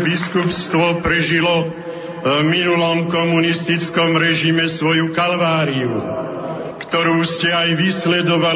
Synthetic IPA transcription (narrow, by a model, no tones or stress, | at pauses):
biskupst̪ʋɔpɾɛʒilɔ | minulɔmkɔmunist̪it͡skɔmɾɛʒimɛsʋɔjukalʋaːɾiu | kt̪ɔɾuːscɛajʋislɛd̪ɔʋa